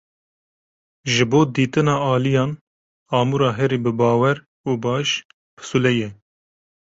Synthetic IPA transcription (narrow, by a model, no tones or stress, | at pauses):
ʒɨboːd̪iːt̪ɨnɑːɑːlijɑːn | ɑːmuɾɑːɦɛɾibɨbɑːwɛɾ | uːbɑːʃ | b̥ɨ̥sulɛjɛ